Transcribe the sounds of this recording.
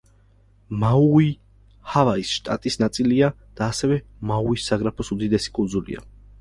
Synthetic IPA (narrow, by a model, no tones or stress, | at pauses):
maui | havaisʃt̪ʼa̰t̪ʼisnat̪sʼilia | d̪̥aːsɛvɛmauisːaɡɾapʰɔsud̪id̪ɛsi̥kʼund̪zulḭa̰